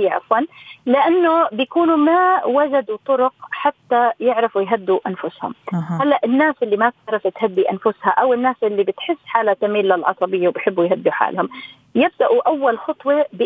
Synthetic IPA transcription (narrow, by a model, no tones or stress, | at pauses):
aʔɑ̰fwɑnlɪʔanːʊbɪjakuːnumawad͡ʒad̪ut̪ˤʊɾʊqħat̪ːajɪʕɾɪfwɪjɦad̪ːuʔanfʊshʊ̰mhalːaʔɪnːaːsʔɪlːimat̪̚t̪ɾˤɑfɪt̪had̪ːiʔanfʊshaʔawɪnːaːsʔɪlːibɪt̪ħɪsːħaːlat̪ːamiːlːalʕɑ̰sˤɑbɪjːawbɪjħɪbːujɦad̪ːuħa̰ːlhʊm | jɪb̚d̪aʔuʔawːalxɑt̪ˤwebɪ